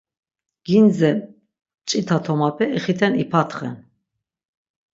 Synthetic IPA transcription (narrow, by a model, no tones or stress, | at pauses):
ɡ̥ind͡zɛ | t͡ʃʼit̪ʰat̪ʰɔmapʰɛiχit̪ʰɛnipʰat̪ʰχɛ̰n